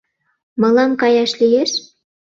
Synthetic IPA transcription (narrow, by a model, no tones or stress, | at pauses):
mɤ̆lɑmkɑjɑʃlijeʃ